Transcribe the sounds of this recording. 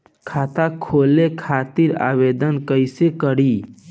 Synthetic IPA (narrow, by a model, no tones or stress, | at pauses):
kʰat̪akʰolekʰat̪iɾa̰ʋed̪ənkəɪsekəɽi